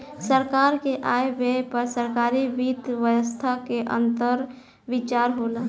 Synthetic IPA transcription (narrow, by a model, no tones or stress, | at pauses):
səɾkaːɾkeʔaːeʋepəɾsəɾkaːɾiʋiːt̪ʋəjəst̪ʰakeʔə̰̃nt̪əɾ | ʋit͡ʃaːɾɦoːlaː